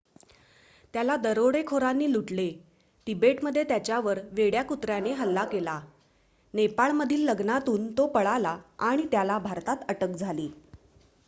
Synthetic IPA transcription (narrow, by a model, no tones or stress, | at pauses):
t̪jalad̪əɾoɽekʰoɾanːiːluʈle | ʈibeʈməd̪ʱːjet̪jat͡ɕjaʋəɾʋeɽjakut̪ɾjaneɦəlːakela | nepaɭməd̪ʱiːlːəɡnat̪uːnt̪opəɭalaaɽ̃it̪jalabʱaɾt̪at̪əʈəkd͡zʱaliː